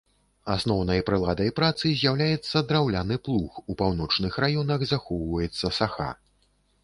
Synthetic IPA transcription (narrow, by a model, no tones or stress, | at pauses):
asnɔwn̪ɐjpɾɨlˠad̪ɐjpɾat̪sɨzʲjawlʲajɛt̪sːɐd̪ɾawlʲanɨplˠuxupawn̪ɔt͡ʂnɨxrajɔnɐɣzaxɔwvɐjɛt̪sːɐsaxa̰